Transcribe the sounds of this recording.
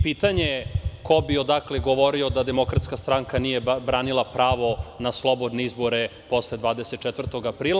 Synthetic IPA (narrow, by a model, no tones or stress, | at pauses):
piːt̪aɲeko̞biod̪akleɡoʋo̞ɾio̞d̪ad̪emo̞kɾat̪skast̪ɾaŋkanijebɾaːnilˠapɾaːʋo̞naslˠo̞bod̪neizboɾepo̞sled̪ʋaːd̪eset̪̚t͡ʃɛt̪vr̩t̪o̞ɡapɾiːlˠa